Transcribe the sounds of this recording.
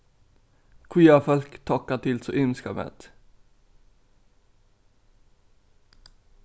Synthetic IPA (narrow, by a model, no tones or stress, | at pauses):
kʰwiːafœlkt̪ʰɔkːat̪ʰɪlsɔʔʏnskamɛ̰t̪